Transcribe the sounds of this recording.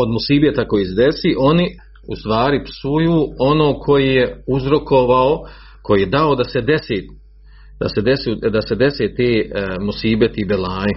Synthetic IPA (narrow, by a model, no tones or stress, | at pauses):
o̞d̪musiːbet̪ako̞jiːsed̪esiːʔo̞ni | ust̪ʋaːɾipsujuːo̞noːkʰo̞jiːje̞uzɾo̞ko̞ʋao | ko̞jiːjed̪aod̪ase̞d̪eseː | d̪ased̪esuːd̪ase̞d̪e̞seːt̪eːmusiːbet̪ibelaːji